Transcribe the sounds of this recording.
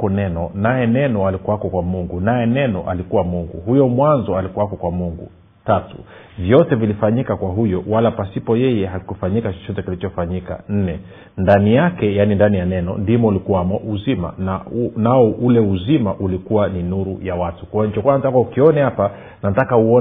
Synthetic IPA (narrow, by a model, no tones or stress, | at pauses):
ɔnɛnɔnajɛnɛnɔalikuwakɔkwamuŋɡunajɛnɛnɔʔalikuwamuŋɡṵhujɔmwanzɔalikuwakɔkwamuŋɡṵ | tatṵ | vjɔtɛvilifaɲikakwaɦujɔwalapasipɔjɛjɛɦakufaɲikat͡ʃɔ̥t͡ʃɔtɛkilit͡ʃɔfaɲika̰n̩nɛ | ndanijakɛjanindanijanɛnɔ̰ndimɔulikuwamɔʔuzima̰nanaɔʔulɛuzimaʔulikuwaninuɾṵjawatu̥kawanit͡ʃɔkwanzakaukiɔnɛhapa | natakauɔ